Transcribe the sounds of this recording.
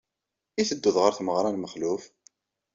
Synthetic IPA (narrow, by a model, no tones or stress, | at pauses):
iθəd̪ːuðʁəɾθməʁɾˤɑnməχluf